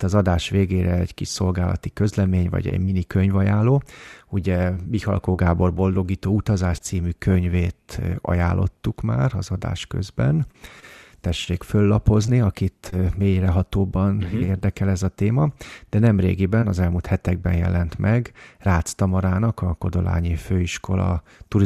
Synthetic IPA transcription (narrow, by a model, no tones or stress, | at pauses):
t̪ɒzɒd̪aːʃʋeːɡeːɾɛɛɟkiʃso̞lɡaːlɒ̰t̪ikø̞zlɛmeːɲvɒ̰ɟɛ̰ɟminikø̞ɲvɒjaːloːuɟɛbihɒ̰lkoːɡaːbo̞rbo̞ld̪o̞ɡiːt̪oːut̪ɒzaːʃt̪siːmykʰøɲveːt̪ɒ̰ja̰ːlːo̞̰t̪ːukma̰ːrɒzɒd̪a̰ːʃkø̰zbɛn | t̪ɛʃeːkfølːɒpo̞zniɒkit̪meːjrɛɦɒt̪oːbɒneːrd̪ɛkɛlɛzɒt̪eːmɒd̪̥ɛnɛmrḛːɡibɛnɒzɛlmult̪hɛt̪ɛɡ̚bɛ̰njɛ̰lɛnt̪mʔɛɡraːt̪st̪ɒmɒɾaːnɒkɒko̞d̪o̞la̰ːɲiføːiʃko̞lɒ̰ | t̪uɾi